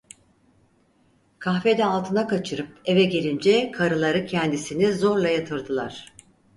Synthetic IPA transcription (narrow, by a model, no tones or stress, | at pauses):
kʰaxfe̞d̪ɛalˠt̪ʰɯnakʰat͡ʃʰɯɾɯp̚e̞vɛɟelʲind͡ʒɛkʰaɾɯlˠaɾɯcʰɛnd̪isinizo̞ɾlˠajat̪ʰɯɾd̪ɯlˠaɾ̝̥